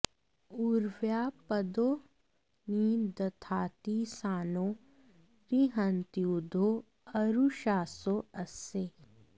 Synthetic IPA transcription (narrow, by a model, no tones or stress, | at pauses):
uɾʋjaːpɐd̪o | nid̪ɐt̪ʰaːt̪isaːno | ɾiɦə̃nt̪ijud̪ʱo | ɐɾuʃaːsoɐse